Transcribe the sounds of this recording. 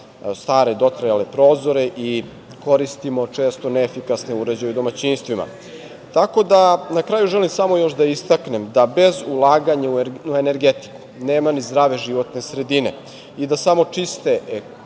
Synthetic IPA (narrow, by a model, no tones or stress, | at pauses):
st̪aːɾe̞d̪o̞t̪ɾajale̞pɾo̞ːzo̞ɾe̞ʔi | ko̞ɾist̪imo̞t͡ʂe̞ːst̪o̞neːfikasneuɾe̞d͡ʑajud̪o̞mat͡ɕiːnst̪ʋima̰ | t̪ako̞d̪anakɾaːjuʒe̞limsamo̞jo̞ʃd̪aist̪akne̞md̪abe̞zulˠaːɡaɲauuene̞ɾɡet̪i̥ku̥neːmanizd̪ɾaːʋe̞ʒiʋo̞t̪ne̞sɾe̞d̪ine̞̰ | id̪asamo̞t͡ʂist̪e̞